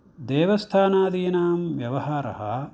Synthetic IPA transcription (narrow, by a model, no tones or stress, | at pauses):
d̪eːʋɐst̪ʰaːnaːd̪iːnaːmʋjɐʋɐɦaːɾɐ̰ɦɐ̰